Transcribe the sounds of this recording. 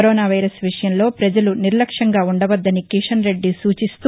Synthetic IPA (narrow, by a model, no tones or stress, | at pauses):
ɾɔːnaːʋɐjɾɐsʋiʂɐjɐmlo̞ːpɾɐd͡ʒɐluniɾlɐkʂɐŋɡaːuɳɖɐʋɐd̪ːɐnikiʂɐnɾe̞ɖːisuːt͡ʃist̪u